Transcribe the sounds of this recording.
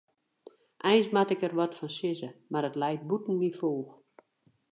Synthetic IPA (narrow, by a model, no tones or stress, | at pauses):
ʔɛjnsmatɪkərʋɔtfɔnsɪzəmarətlɛjt̚butn̩mifoːx